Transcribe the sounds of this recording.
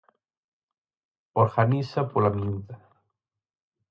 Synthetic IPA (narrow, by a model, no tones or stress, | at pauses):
oɾɣanisapolamiuða